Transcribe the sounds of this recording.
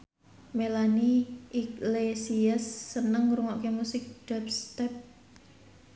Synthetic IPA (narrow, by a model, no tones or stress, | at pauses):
melaniʔiklesiasːənəŋɾuŋɔʔkemusɪk̚d̥ap̚st̪ɛp̚